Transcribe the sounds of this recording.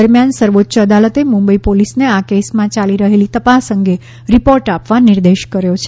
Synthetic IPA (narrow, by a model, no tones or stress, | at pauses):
əɾmjansəɾʋot̪ːʃəəd̪alət̪emũmbəipolisneakesmãt͡ʃaliɾəɦelit̪əpasəŋɡe | ɾipoɾʈapʋaniɾd̪eʃkəɾjot͡ʃʰe